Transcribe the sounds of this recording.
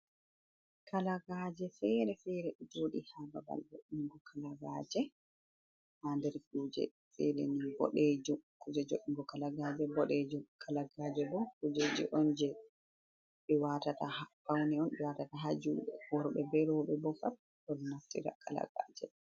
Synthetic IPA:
kʰalaɡad͡ʒɛfɛɾɛfɛɾɛʔɛd͡ʒoːɗihababa̰ld͡ʒoʔiŋɡɔkʰalaɡaːd͡ʒɛ | handɛɾfuːd͡ʒɛ̰ | fɛɾɛ̰nibɔ̰ɗɛd͡ʒɔkud͡ʒɛd͡ʒoʔiŋɡɔkalaɡad͡ʒɛbɔɗɛd͡ʒɔkʰalaɡaːd͡ʒɛbɔkud͡ʒed͡ʒɛ̰ʔɔnd͡ʒɛ | ɓɛwatatahafawnɛɔnɓɛwatataɦad͡ʒuːɗɛhɔɾɓɛbɛɾɔɓɛbɔfat | dɔlnaftiɾa̰kʰala̰ɡa̰d͡ʒɛ

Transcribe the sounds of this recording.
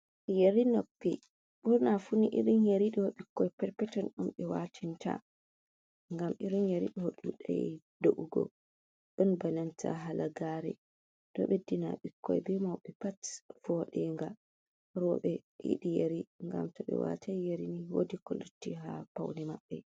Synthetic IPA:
jeɾinopːi | ɓuɾnafuniʔiɾinjeɾiɗɔwɔɓikːɔjpɛɾpɛtɔnɗumɓɛwatʰintʰa̰ | ŋɡamiɾinjeɾḭɗɔɗuɗajdoʔuɡɔ̰ | ɗunbanantʰa̰ɦalaɡaːɾɛ̰ | ɗɔ̰ɓedːinaɓikːɔ̰jbɛmawɓɛpatfɔɗɛŋɡa | ɾɔɓɛjḭɗijeɾiŋɡa̰mtɔɓɛ̰wa̰tʰajeɾiniwo̰dikɔlutːiɦapawnɛmaɓːɛ

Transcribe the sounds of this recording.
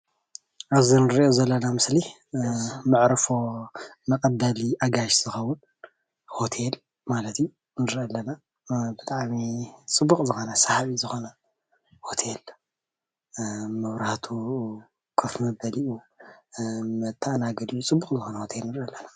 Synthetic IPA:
ʔaβzinɨɾiʔozɐlːɐnamɨsli | mɨʕɾfomɐkʼɐd̪ɐliʔaɡaʃz̥ɨxɐwːʊn | ho̞t̪ʰel | malɐt̪i | nɨɾʔɐlːɐna | bɨt̪ʼaʕmit͡sʼɨbːukʼzɨxo̞nɐsahaβizɨxo̞nɐ | ho̞t̪ʰel | mɐβɾaht̪ʰu | kʰɐfmɐbɐliʔu | mɐt̪ʰːaʔnaɡɐd̪ijut͡sʼɨbːukʼzɨxo̞nɐho̞t̪ʰelnɨɾɐlːɐna

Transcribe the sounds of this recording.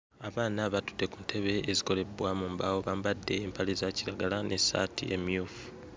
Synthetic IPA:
aβaːnaβatu̥de̞kuntʰe̞βe̞ːziko̞le̞bwamuːmbawo̞βambadːe̞ːmpʰalezaciɾaɡalanesa̰tḭʔe̞̰miuːfu̥

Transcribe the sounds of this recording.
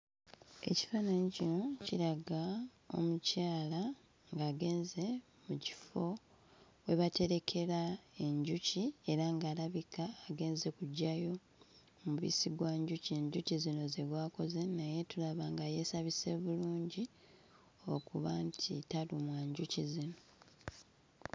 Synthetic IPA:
e̞̰ci̥fanaɲicino̞ciɾaɡa | o̞̰mucaːla | ŋɡaːɡe̞ːnze̞ | muci̥fo̞ | we̞βate̞ɾe̞kʰe̞ɾae̞ɲɟucie̞ɾaŋɡaːlaβikaːɡe̞ːnze̞kuɟːajo̞ | muβḭsiɡwaːɲɟucieɲɟucizino̞zeɡwaːko̞ze̞naje̞tulaβaŋɡaje̞saβise̞βuluːɲɟi | o̞̰kuβantʰḭtalumwaːɲɟucizino̞

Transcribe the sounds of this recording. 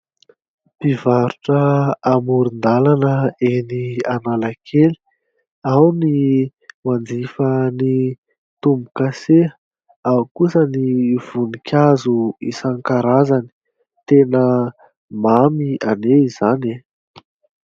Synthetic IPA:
pivaɾuʈ͡ʂəːmuɾind̪alanəenianalakʰeli̥ | awni | mand͡z̪ifəni | t̪umbukaseə | awkusəniv̥unikʲazuisaŋkaɾazani̥ | t̪enə | mamianeizane

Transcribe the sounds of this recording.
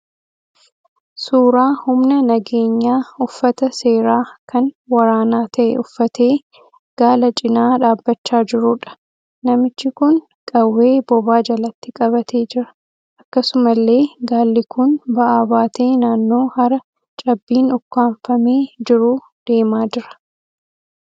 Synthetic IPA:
suːɾaːhʊmnɐnɐɡeːɲːaːʊfːɐt̪ɐse̞ːɾaːkʰɐnwɐɾaːnaːt̪ʰɐʔɛ̰ʔʊfːɐt̪ʰe̞ː | ɡ̥aːlɐt͡ʃʼɪnaːᶑaːbːɐt͡ʃːaːd͡ʒɪɾuːᶑɐ̥ | nɐmɪt͡ʃːɪkʊn | kʼɐwːe̞ːbɔbaːd͡ʒɐlɐt̪ːɪkʼɐβɐt̪ʰe̞ːd͡ʒɪɾɐ̥ | ʔɐkːɐsʊmɐlːe̞ːɡaːlːɪkʊnbɐʔaːbaːt̪ʰe̞ːnaːnːo̞ːhɐɾɐ | t͡ʃʼɐbːiːnʊkːaːɱfɐmeːd͡ʒɪɾuː | d̪̥e̞ːmaːd͡ʒɪɾɐ̥

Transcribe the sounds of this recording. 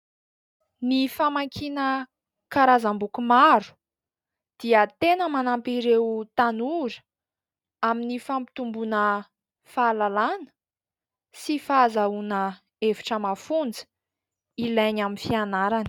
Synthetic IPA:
nifamaŋkʰinə | kaɾazambukumaɾu̥ | d̪̥iət̪enəmanampiɾewt̪anuɾə̥ | aminifampi̥t̪umbunə | falalanə̥ | sifazaunə | evi̥ʈ͡ʂəmafund͡zə̥ | ilajɲaminfianaɾani̥

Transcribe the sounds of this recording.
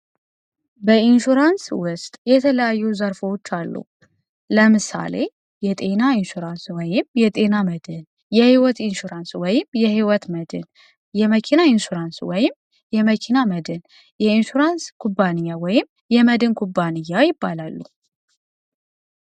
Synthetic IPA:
bəinʃuɾanswʊst̪ʼjɛt̪ʰələjajːuzəɾfəwot͡ʃːalːṵ | ləmɨsa̰le̞ | jɛt̪ʼe̞nainʃuɾanswɔjɪmjɛt̪ʼe̞naməd̪ɨn | jɛhiwɔt̪inʃuɾanswɔjɪmjɛhiwɔt̪məd̪ɨn | jɛməkʰinainʃuɾanswɔjɪm | jɛməkʰinaməd̪ɨn | jɛinʃuɾanskʰubːanɨjːawɔjɪm | jɛməd̪ɨnkʰubːanɨjːajɪbːalalːṵ

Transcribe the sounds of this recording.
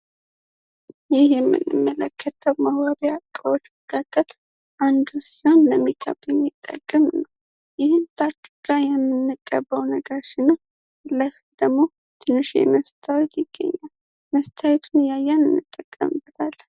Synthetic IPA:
jɪhjɛmːɨ̰nːɨ̰mːələkʰːət̪ʰəwmawabiakʼːəwot͡ʃməkʰakʼːəl | ʔand̪usonləmːikʰə̰bjɛmːit̪ʼːə̰kʼːɨmnəw | jɪhɨnt̪ʰat͡ʃːiɡ̥ajɛmːɨnːɨkʼːə̰bːəwnəɡəɾʃɪnːu | ɨlːasd̪̥əɡmo̞ | t̪ʰɨnːɨʃḛməst̪ʰawɛt̪jɪɡ̥ːə̰ɲːal | məst̪ʰawet̪ʰunjajːanɨnːɨt̪ʼːəkʼːə̰mɨbət̪ʰal

